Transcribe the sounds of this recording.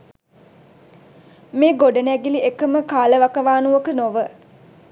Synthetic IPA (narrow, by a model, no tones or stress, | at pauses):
meːɡoɖənæɡiliekəməkaːləʋakəʋaːnuʋokənoʋə